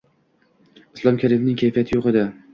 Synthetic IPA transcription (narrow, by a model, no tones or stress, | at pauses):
ɪslˠɒmkʲʰaɾɪmnɪŋkʲʰajfijat̪ʰɪjoqed̪ɪ